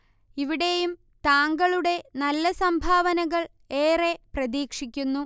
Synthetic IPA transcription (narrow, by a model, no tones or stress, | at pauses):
iʋiɽe̞jum | t̪aːŋɡɐɭuɽe̞nɐlːɐsɐmbʱaːʋɐnɐɣɐɭ | e̞ːre̞prɐðiːkʂikʲːunːu